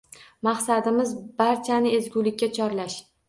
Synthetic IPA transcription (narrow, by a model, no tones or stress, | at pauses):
maχsad̪ɪmɪzbaɾt͡ʃʰanɪezɡʲulɪkʲːat͡ʃʰɒɾlaʃ